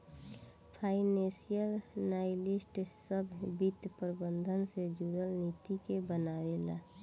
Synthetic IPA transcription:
pʰaɪnesijəlnajlisʈsəbʱbit̪pəɾbənd̪ʱənsed͡ʒuɾəlnit̪ikebənaʋela̰

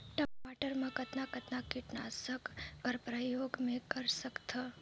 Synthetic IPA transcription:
ʈəaʈəɾmãkət̪nakɐt̪nakɪʈnasəkːəɾpɾəjoːɡmẽkəɾsəkt̪ʰə

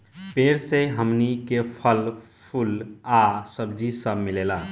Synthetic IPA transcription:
peːɾseɦəmnikepʰəl | pʰʊlasəbd͡ʒisəbmɪleːlaː

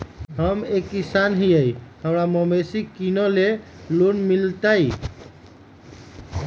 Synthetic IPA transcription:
ɦəmekːisanɦiəjhəmɾaməməsikinole | lunmilt̪aj

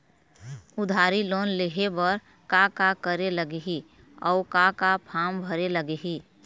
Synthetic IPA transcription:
ʊd̪ʱaɾiloːnleɦebəɾ | kakakəɾeləɡeɦi | ɔʊkakapʰambʱəɾeləɡeɦi

